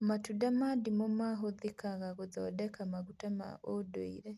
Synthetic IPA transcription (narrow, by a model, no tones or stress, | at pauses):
matudamadimomaɦoðikaɣaɣoðɔdɛkamaɡutama̰ʔodoḭɾe